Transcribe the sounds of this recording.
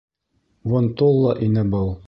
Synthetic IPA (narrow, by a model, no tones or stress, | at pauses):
wont̪olˠːɑʔinɘbɤlˠ